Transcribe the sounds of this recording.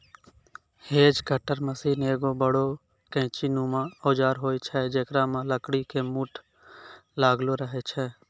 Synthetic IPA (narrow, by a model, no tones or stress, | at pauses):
heːd͡ʒkəʈəɾməsiːneːɡoːbəɽoː | kɛ̃ːt͡ʃiːnũːmãːoːd͡ʒaːɾɦoːit͡ʃʰɛːd͡ʒekɾãːmãːləkɽikemuːʈʰ | laːɡloːɾəɦet͡ʃʰɛː